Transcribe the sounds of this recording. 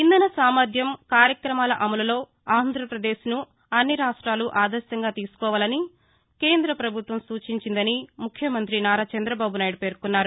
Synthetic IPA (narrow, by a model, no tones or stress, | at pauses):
ind̪ɐnɐsaːmɐd̪ʱjɐmkaːɾjɐkɾɐmaːlɐʔɐmɐlɐlo̞ː | aːnd̪ʱɾɐpɾɐd̪e̞ːʃnu | ɐnːiɾaːʂʈɾaːluʔaːd̪ɐɾʃɐŋɡaːt̪iːsu̥kɔːʋaːlɐni | keːnd̪ɾɐpɾɐbʱut̪ʋɐmsuːt͡ʃiɲt͡ʃind̪ɐnimukʰjɐmɐnt̪̬ɾinaːɾaːt͡ʃɐnd̪ɾɐbaːbunaːjɖpe̞ːɾkunːaːɾu